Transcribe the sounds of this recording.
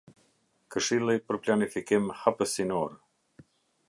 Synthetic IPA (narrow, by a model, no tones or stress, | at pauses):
kəʃilˠipəɾplanifikimhapəsinɔɾ